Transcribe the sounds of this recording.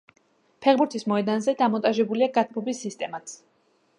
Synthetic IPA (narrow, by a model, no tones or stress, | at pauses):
pʰɛʁbuɾt̪ʰismɔɛd̪anzɛd̪amɔnt̪ʼaʒɛbuliaɡat̪ʰmɔbisːist̪ʼɛmat̪s